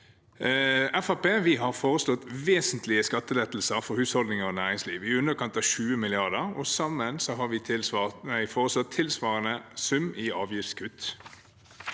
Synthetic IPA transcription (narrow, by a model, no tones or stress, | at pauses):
ɛfɑpeːʋɪɦɑʁfoːʁəslɔt̪ʋeːsənt̪lɪəskɑt̪ːəlɛt̪l̩səʁfɔɾhʉːshɔld̪nɪŋɔnæːʁɪŋsliːʋɪʉnəʁkʰɑnt̪ɑʋʃʉːəmɪlɪɑʁd̪əʁɔsɑmːənsɔɦɑʁʋɪɪæɪfoːʁəslɔt̪ʰːɪlsʋɑːʁənəsʉmɪɑːʋjɪft̪skʰʉt̪